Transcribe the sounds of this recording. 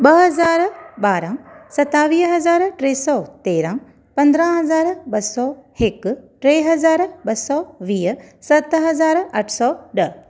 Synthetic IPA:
bɐɦɐzaːɾbaːɾãsɐt̪ːaːʋiːɦɐzaːɾʈɾeːsɔt̪eːɾãː | pɐ̃nd̪ɾãːɦɐzaːɾbɐsɔːhekʈɾeːɦɐzaːɾbɐsɔːʋiːsɐt̪ɦɐzaːɾɐʈʰsɔːɖɐ

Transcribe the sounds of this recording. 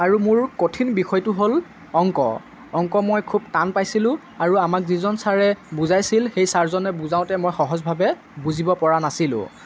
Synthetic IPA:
aɹumʊɹkotʰinbixɔjtʊɦol | ɔŋkɔ̰ | ɔŋkɔmojkʰub̚tanpajsilʊ̃ | aɹuamak̚zizɔnsaɹɛbuzajsilxejsaɹzɔnɛbuzãʊ̃tɛmojxɔɦɔzbʱabɛ | buzibɔpɔɹanasilʊ̰̃

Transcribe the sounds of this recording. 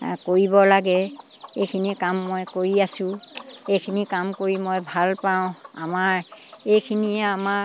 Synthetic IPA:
koɹibɔlaɡɛ | ejkʰinikamːojkoɹiasʊ̃ejkʰinikamkoɹimojbʱalpaʊ̃a̰maɹejkʰiniɛama

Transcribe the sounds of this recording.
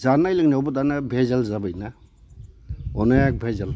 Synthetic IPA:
zanajlɯŋnawbɔtanabʱezalzabɯjna | ɔnajak̚bʱezal

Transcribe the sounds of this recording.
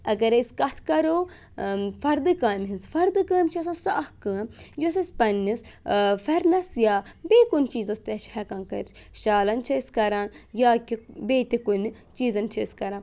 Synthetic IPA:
ɐɡɐɾeskɐt̪ʰkɐɾoː | fɐɾd̪ɨkaːmɦinsfɐɾd̪ɨkaːmʲt͡ʃʰiɐs̬ãːsɐɐhkɐ̃ːmjus̬ɐspɐnːisfɐɾnɐsjaːbeːkunʲt͡ʃiːzɐst̪et͡ʃʰhɛkãːnkɐɾ | ʃaːlɐnt͡ʃʰɐskɐɾaːnjaːkibeːt̪ikun | t͡ʃiːzɐnt͡ʃʰɐskɐɾãːn

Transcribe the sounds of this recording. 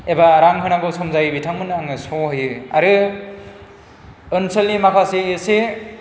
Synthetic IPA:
ebaɾaŋɦɯnaɡɯwsɔmzajbitʰaŋmɯnɯaŋɯsɔɦɯjɯa̰ɾɯ | ɯnsɯlːimakʰaseɯse

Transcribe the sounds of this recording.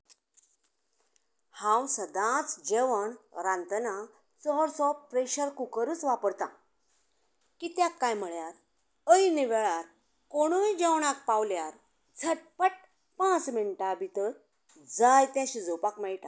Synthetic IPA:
hãwsəd̪ãt͡sd͡ʑeʋəɳɾãnt̪əna | t͡sɔɾsɔpɾeɕəɾkukəɾuːt͡sʋapəɽt̪ã | kit̪jakːajm̤əɭjaɾ | əiniʋeɭaɾ | koɽ̃ujd͡ʑewɳak̚pawljaɾ | d͡zʰʱəʈ̚pəʈ̚ | pãt͡sminʈabʱit̪əɾ | d͡zajt̪jãɕid͡zopakmajʈa

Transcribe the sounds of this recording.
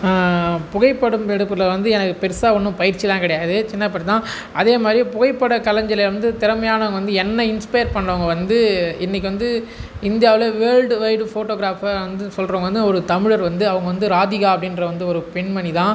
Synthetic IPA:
pʊɣɐɪpːɐɽɯmɛɽɯpːɯlɐʋɐnd̪ɯɛnɐkːɯpɛɾsaːɔnːɯ̃pɐjɪɾt͡ʃːit̪ãːŋkɪɽɐjaːðɯt͡ʃɪnːɐpːɐʈːt̪ãː | ʔɐðeːmaːd̪ɾipʊɣɐɪpːɐɽɐkɐlɐɲd͡ʒɐleʋɐnd̪ɯt̪ɪɾɐmɐjaːnɐʋɐŋɡɐʋɐnd̪ɯɛnːɐɪnspɐjɐɾpɐɳːɾɐʋɐŋɡɐʋɐnd̪ɯɪnːɪk̬ʲːɪʋɐnd̪ɯɪnd̪ɪjaːʋɪlɐʋeːlɖʋɐɪɖfoːʈːoːɣɾaːfaʋɐnd̪ɯsɔlroːŋɡɐʋɐnd̪ɯɔɾɯt̪ɐmɪɻɐɾʋɐnd̪ɯɐʋɐŋɡɐʋɐnd̪ɯɾaːðɪɣaːɐpːɐɽɪnrɐʋɐnd̪ɯɔɾɯpɛɳmɐniðãː

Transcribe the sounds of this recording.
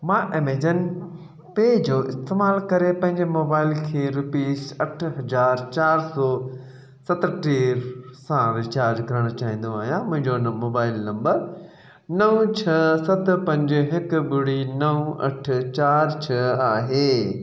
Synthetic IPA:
mãːʔemeːd͡ʑən | peːd͡ʑoːʔɪst̪eːmaːlkɐɾepɐ̃ɦɪ̃ɲd͡ʑemoːbaːɪlkʰeːɾʊpiːsɐʈʰɦɐzaːɾt͡ɕaːɾsɔː | sɐt̪ʈeːɾsãɾɪt͡ɕaːɾd͡ʑkɐɾəɽ̃ot͡ɕaːɦĩːn̆d̪oaːɦijãmʊ̃ɦɪ̃ɲd͡ʑonmoːbaːɪlnɐ̃mbəɾ | nɐũt͡ɕʰɐsɐt̪̆pɐ̃ɲd͡ʑɦɪkʊbʊɽinɐũɐ̰ʈʰt͡ɕaːɾt͡ɕʰɐaːɦeː

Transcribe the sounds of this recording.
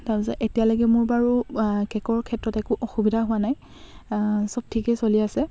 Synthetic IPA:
taɹbisɔʔetijalɔjɡɛmʊɹbaɹukɛkɔɹkʰɛtɹɔtɛkuʔɔxubidʱaɦʊwanaj | sɔb̚tʰikɛsoliasɛ

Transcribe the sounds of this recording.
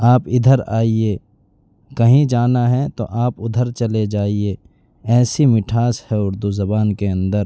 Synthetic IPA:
aːpɪd̪ʱəɾaːie | kɐɦĩd͡ʒaːnaɦɛt̪o̰ʔaːpʊd̪ʱəɾt͡ʃɐled͡ʒaːie | ɛːsimɪʈʰaːshɛʊɾd̪uzɐbaːnkeɐ̃nd̪əɾ

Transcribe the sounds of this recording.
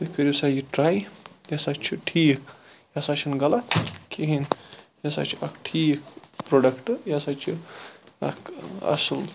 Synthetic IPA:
t̪ɨkəɾʲisajiʈɾaːjjɐsat͡ʃʰiʈʰiːk | jɐsat͡ʃʰinɡɐlɐt̪ʰkʰiɦinjɐsa̰t͡ʃʰiɐkʈʰiːkpɾoɖɐkʈɨjɐsat͡ʃʰiɐ̰kɐ̰sɨl

